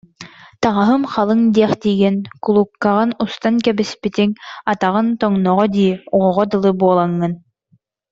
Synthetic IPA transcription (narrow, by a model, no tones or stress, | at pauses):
t̪aʁaɦɯmχalˠɯŋd̪iɛχt̪iːɡinkulˠukːaʁɯnust̪ankɛbispit̪iŋat̪aʁɯnt̪ɔŋnɔʁɔd̪iːuʁɔʁɔd̪ɯlˠɯbuɔlˠaŋːɯn